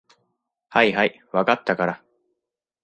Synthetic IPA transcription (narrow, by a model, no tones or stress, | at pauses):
haiɦai | βakat̪ːakaɾa